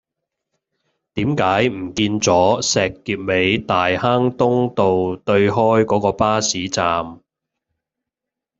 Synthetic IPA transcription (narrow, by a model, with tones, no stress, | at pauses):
t̪iː˨˥mkaː˨˥jm̩˨˩kiː˧nt͡sɔː˨˥sɛː˨kːiː˧p̚me˨˧jt̪aː˨jhaː˥ŋt̪ʊ˥ŋt̪o˨wt̪ɵ˧ɥɦɔː˥jkɔː˨˥kɔː˧paː˥siː˨˥t͡saː˨m